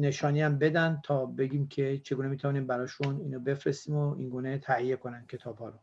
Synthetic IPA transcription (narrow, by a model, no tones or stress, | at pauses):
ne̞ʃɒːniːæmbe̞d̪ænd̪̚t̪ʰɒːbe̞ɡʲiːmcʰe̞t͡ʃʰe̞ɡuːnemiːt̪ʰævɒːniːmbæɾɒːʃuniːnobe̞fɾest̪iːmoiŋɡuːne̞t̪ʰæhijeko̞næn̥cʲʰe̞t̪ʰɒːbhɒːɾo